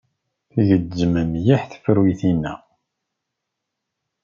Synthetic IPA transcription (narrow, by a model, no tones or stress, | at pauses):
θiʝədːəməmjiħθfəɾwiθinːæ